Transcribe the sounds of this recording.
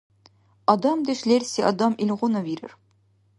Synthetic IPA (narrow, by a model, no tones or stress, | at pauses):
ɒd̪ɑmd̪ɘ̆ʃlʲeɾsʲiʔɒd̪ɑmilʲʁunɤbiɾɘ̰̆ɾ